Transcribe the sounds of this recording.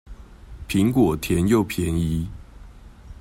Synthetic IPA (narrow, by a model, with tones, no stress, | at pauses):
pʰi˨˦ŋkwɔ˨˩t̪ʰjɛ˧˦njo˥˨˩ʊpʰjɛ˧˥ni˧˦